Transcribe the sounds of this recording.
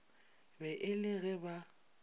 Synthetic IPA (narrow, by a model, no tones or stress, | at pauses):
bɛʔɪlɪɣɛba